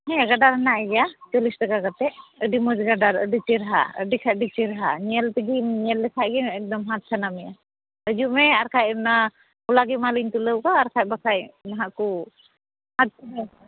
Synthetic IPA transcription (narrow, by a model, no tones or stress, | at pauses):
ɦɛjaɡadaɾɦanaʔɛɡɛjat͡ʃɔlisdaɡaɡat̪ɛʔəɖimɔd͡ʒɡaɖaɾə̰ɖit͡ʃiɾaɦa̰ə̰ɖikʰaʔ̚ɖit͡ʃiɾaɦa̰ɲiɛlt̪əɡiɲiɛlːɛkʰaʔɡiɛk̚d̪ɔmɦat̪̚kʰanamɛja̰ | ɾəd͡ʒumɛaɾkʰajmna | ulaɡimaliɲt̪uləwkaːɾkʰajbakʰajnaɦaʔku | hat̪̚kʰɦɛ